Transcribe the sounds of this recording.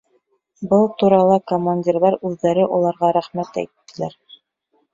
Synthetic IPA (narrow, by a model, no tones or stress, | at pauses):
bɤlˠt̪uɾɑlˠɤkomːanʲdʲirlˠɑɾʉðːæɾɘʔulˠɑɾʁɑɾæχmæt̪æ̰jt̪ːɘ̆læɾ